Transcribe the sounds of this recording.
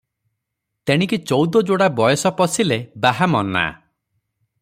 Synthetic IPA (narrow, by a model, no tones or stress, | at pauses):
t̪eɽ̃ĩkit͡ʃɔwd̪ɔd͡ʒoɽabɔjɔsɔpɔsilebaɦamɔna̰